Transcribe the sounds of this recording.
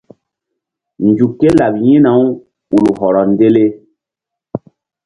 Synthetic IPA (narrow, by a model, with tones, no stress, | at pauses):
nd͡ʒu˨kːe˦la˨bjĩ˦na˨˦w | u˨lu˨ɦɔ˨ɾɔ˨nde˦le˦